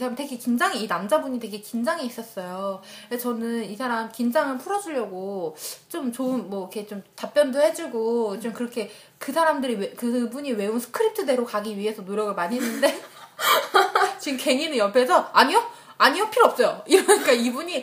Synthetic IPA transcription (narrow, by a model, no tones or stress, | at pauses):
isʰaamte̞ɡekind͡ʑaŋiːnamd͡ʑabuɲite̞ɡe̞kind͡ʑaŋiːs͈ʌs͈ʌjoet͡ɕʌnɯnisʰaɾamkind͡ʑaŋɯɭpʰuɾʌd͡ʑuʎjʌɡot͡ɕomt͡ɕoɯnmːʌikʰe̞t͡ɕomtap͈jʌndohe̞d͡ʑuɡot͡ɕomkɯɾʌkʰe̞ | kɯsʰaɾamdɯɾiwekɯbuɲiwe̞onsʰɯ̥kʰɯɾip̚tʰɯde̞ɾokaɡiɥiɦe̞sʰʌnoɾjʌɡɯɭmaɲiɦenːɯnde̞ | t͡ɕimke̞ŋinɯjʌpʰe̞sʰʌaɲio | aɲiopʰiɾoʌp̚s͈ʌjoiɾʌɲik͈aibuɲi